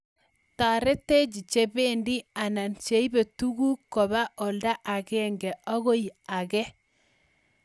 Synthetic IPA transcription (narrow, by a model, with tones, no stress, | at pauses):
ta˨ɾe˦te˦d͡ʒi˨t͡ʃe˦βe˦ndi˦a˨na˨nt͡ʃe˨˦i˦be˨tu˦ɣu˦kɔ˨βa˦ʔɔ˨lda˦ʔa˨ɣɛ˦ŋɡɛ˨ɔ˦ɣo˦i˨a˨ɣɛ˦